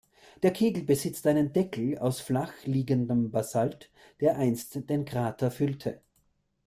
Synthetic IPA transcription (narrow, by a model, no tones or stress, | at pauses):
d̥eːɐkʰeːɡl̩bəzɪt͡stʔaɪnəndɛkl̩a̰ʊsflaxliːɡəndəmbasalt | d̥eːɐʔaɪnstd̥eːnkʁ̥aːtʰɐfʏltʰə